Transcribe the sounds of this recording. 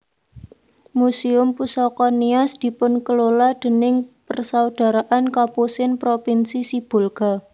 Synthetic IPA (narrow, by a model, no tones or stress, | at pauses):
musiʊmpusɔkɔniɔsd̪̥i̤pʊnkəlolad̪̥ə̤nɪŋpərsawd̪̥a̤ɾaʔankapusɪnpɾopinsisib̥o̤lɡ̥a̤